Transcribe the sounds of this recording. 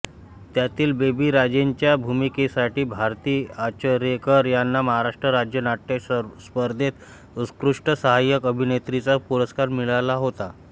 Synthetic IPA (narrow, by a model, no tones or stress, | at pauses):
t̪jat̪iːlbebiːɾad͡ʑeɲt͡ɕjabʱumikesaʈiːbʱaɾt̪iːat͡ɕəɾekəɾjanːaməɦaɾaʂʈɾəɾad͡ʑjənaʈːespəɾd̪ʱet̪ | uskɾuʂʈəsəɦajəkəbʱinet̪ɾit͡sapuɾəskaɾmiɭalaɦot̪a